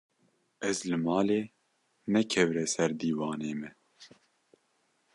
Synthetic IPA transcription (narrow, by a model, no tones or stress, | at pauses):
ʔɛzlɨmɑːleː | nɛkʰɛvɾɛsɛɾd̪iːwɑːneːmɛ